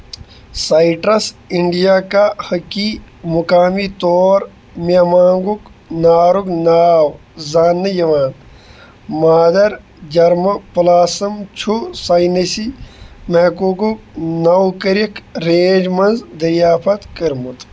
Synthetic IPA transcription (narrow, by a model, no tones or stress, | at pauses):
saiʈɾɐsiɳɖijakahɐkimukaːmit̪oːɾ | mamãːŋɡuknaːɾuknaːw | zaːnːəjɐʋaːn | maːd̪ɐɾ | d͡ʒɐɾmɐpulaːsɐmt͡ʃʰusajnesimeɦkukuknɐwkɐɾikʰɾẽːd͡ʒmɐnzd̪ɐɾjaːpʰɐt̪kɐɾmut̪